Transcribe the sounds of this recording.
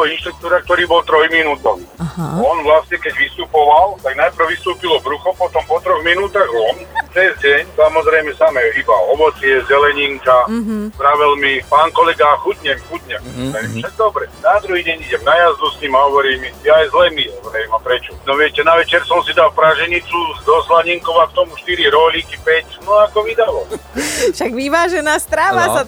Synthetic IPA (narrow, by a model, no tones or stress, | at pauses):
ɔinʃt̪ɾuk̚t̪uːɾak̚t̪ɔɾiːbɔlt̪ɾɔjminuːt̪ɔwɔnʋlasɲɛkɛɟʋist̪upɔʋalt̪aɡnajpɾ̩wʋist̪uːpilɔbɾuxɔpɔt̪ɔmpɔt̪ɾɔɣminuːt̪aɣɔnt͡sɛzɟɛɲsamɔzɾɛjmɛsaːmɛibaɔʋɔt͡sɪɛzɛlɛɲiŋkazd̪ɾaʋɛlmipaːŋkɔlɛɡaxuɟɲɛmxuɟɲɛʋɛɾḭːmfʃaɡ̚d̪ɔbɾɛnad̪ɾuɦiːɟɛɲiɟɛmnajazd̪usɲimaɦɔʋɔɾiːmijaajzlɛmizɾɛjmapɾɛt͡ʃɔnɔʋɪɛcɛnaʋɛt͡ʃɛɾsɔmsid̪alpɾaʒɛɲit͡sud̪ɔslaɲiŋkɔʋakt̪ɔmuʃt̪iɾiɾɔlikipɛcnɔakɔʋid̪alɔ | ʃaɡʋiʋaːʒɛnaːst̪ɾaːʋaa